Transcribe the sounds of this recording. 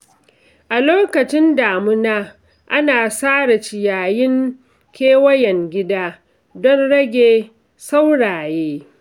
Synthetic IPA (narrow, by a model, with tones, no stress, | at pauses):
ʔa˨loː˦kɐ˨t͡ʃɪ˦ndaː˨mʊ˦naː˦ | ʔa˦naː˨saː˦ɽa˨t͡ʃɪ˨jaː˨jɪ˦ŋ | kʲeː˦wɐ˦jɛ˨ŋɡʲɪ˦daː˦ | dɔ˦nɽɐ˦ɡʲeː˨ | sa˦wɽaː˨jeː˦